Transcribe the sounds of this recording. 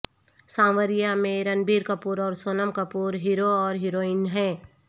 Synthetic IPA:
sãːʋəɾɪjamẽɾɐnbiːɾkɐpuːɾɔːɾsoːnəmkəpuːɾɦiɾoɔːɾɦɪɾoːɪnɦɛ̃ː

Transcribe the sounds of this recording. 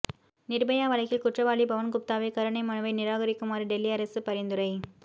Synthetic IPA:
nɪrbɐjaːʋɐɭɐɪɣɪlkʊʈrɐʋaːɭibɐʋɐnkʊp̚t̪aːʋekɐɾɯɳɐɪmɐnɯʋɐɪnɪɾaːɣɐɾɪkːɯmaːɾɯɖɛlːiɐɾɐsɯpɐɾɪnd̪ɯɾɐɪ

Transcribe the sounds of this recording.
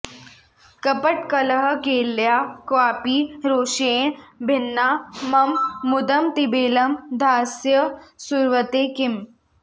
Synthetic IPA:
kɐpəʈkɐlɐɦkeːljaːkwaːpiːɾoːʃeːɳbʱɪnːamɐmːʊd̪ɐmt̪ibeːlɐmd̪ʱaːsjɐsuɾʋət̪eːkɪm

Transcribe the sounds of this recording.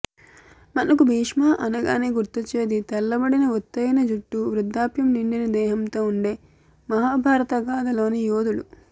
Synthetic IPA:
mɐnɐkubʱiːʂmaːʔɐnɐɡa̰ːneɡuɾt̪ːɐt͡ʃeːd̪it̪ɐlːɐbɐɽinɐot̪ːɐjɐnɐd͡ʒuʈːuʋɾud̪ʱːaːpjɐmniɳɖinɐd̪ɛːɦɐmt̪oːuɳɖe̞ː | mɐɦaːbʱaːɾɐt̪ɐɡaːd̪ɐlo̞ːnijoːd̪ulṵ

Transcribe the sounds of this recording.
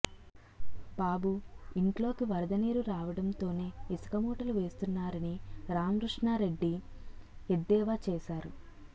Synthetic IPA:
baːbuiɳʈlo̞ːkiʋɐɾɐd̪ɐniːɾuɾaːʋɐɽɐnt̪o̞ːne̞ːisɐ̥kɐmuːʈɐluʋe̞ːst̪unːaːɾɐniɾaːmɾuʂɳaːɾe̞ɖːi | ed̪ːɛːʋaːt͡ʃɛːʃaːɾu

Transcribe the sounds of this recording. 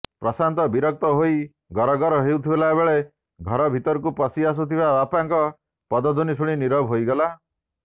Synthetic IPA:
pɾɔsant̪ɔbiɾɔk̚t̪ɔɦoi | ɡʱɔɾɔɡɔɾɔɦewt̪ʰibɔlaebeɭe | ɡʱɔɾɔbʱit̪ɔɾɔkupɔsias̬ut̪ʰibaapaŋkɔ | pɔd̪ɔd̪ʱunisʰuɽ̃iniɾɔbʱɦojɡɔla

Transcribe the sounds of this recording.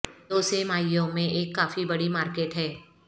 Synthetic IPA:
d̪̥oːsemaːɪjõmẽʔeːkːaːfibɐɽimaːɾkeːʈɦɛː

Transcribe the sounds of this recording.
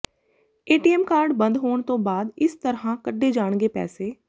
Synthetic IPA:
eːʈiːɛːmkaːɾɖbənd̪ɦoːɳt̪õːbaːd̪ɪst̪əɾɦãːkəɖːeːd͡ʒaːɳ̃ɡeːpɛ̰ːseː

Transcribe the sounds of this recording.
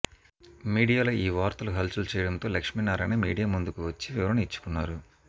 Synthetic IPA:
miːɽijaːloːiːʋaːɾt̪ɐluɦɐlsult͡ʃɛːjɐɽɐnt̪o̞ːlɐkʂmiːnaːɾaneːmḭːɽijaːmund̪ukuʋɐt͡ʃːiʋiʋɐɾɐnit͡ʃːu̥kunːaːɾu

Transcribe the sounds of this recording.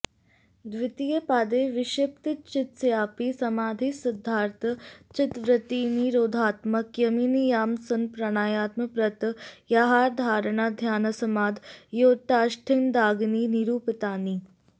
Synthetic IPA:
d̪ʋɪt̪ijəpaːd̪eːʋɪʃep̚t̪it͡ʃɪt̪sjaːpisɐmaːd̪ʱisɪd̪ʱːaːɾt̪ʰət͡ʃɪt̪ʋɾɪt̪iːniɾoːd̪ʱaːt̪mɐkjɐmiːnijaːmsɐnpɾɐɽ̃aːjaːt̪məpɾɐt̪jaɦaːɾd̪ʱaːɾɳaːd̪ʱjaːnɐsɐmaːd̪joːʈ̪aːʃʈʰɪnd̪aːɡniːniɾuːpɪt̪aːniː

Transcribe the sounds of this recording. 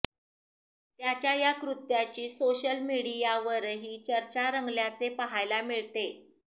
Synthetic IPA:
t̪jat͡ɕjajakɾut̪jat͡ɕiːsoɕəlmiɽijaʋəɾɦiːt͡ɕəɾt͡ɕaɾəŋɡljat͡sepəɦajlamiɭt̪e

